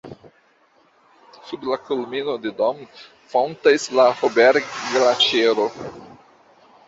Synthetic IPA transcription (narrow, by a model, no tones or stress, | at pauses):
sublakulminod̪ed̪om | fownt̪aslahobeɾɡdelat͡ʃeɾo